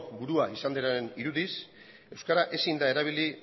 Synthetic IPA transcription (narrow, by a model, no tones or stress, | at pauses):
kbuɾuaisand̪eɾaeniɾuðis | e̞wskaɾaʔe̞sind̪ae̞ɾaβ̞ili